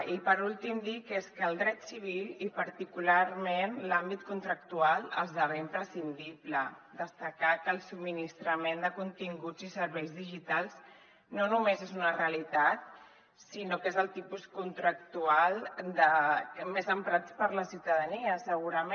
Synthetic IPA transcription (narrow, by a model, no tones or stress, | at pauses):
ipəɾulˠt̪imd̪ikeskəːlˠd̪ɾɛt̪siβ̞ilipəɾt̪ikulaɾmenlambit̪̚kunt̪ɾək̚t̪ualˠəzðaɾeimpɾəsind̪ipləd̪əst̪əkakəːlˠsub̚minist̪ɾəmend̪əkunt̪iŋɡud͡zisəɾβɛjzðiʒit̪alˠz | nonumezezunəreəlit̪at̪̚ | sinokezəlˠt̪ipuskunt̪ɾək̚t̪ualˠd̪əmezəmpɾat̪pəɾləsiwt̪əðəniəsəɣuɾəme